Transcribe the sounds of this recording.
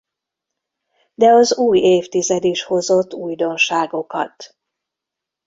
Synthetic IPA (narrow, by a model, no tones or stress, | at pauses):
d̪ɛɒzuːjeːft̪izɛd̪iʃho̞zo̞t̪ːuːjd̪o̞nʃaːɡo̞kɒ̰t̪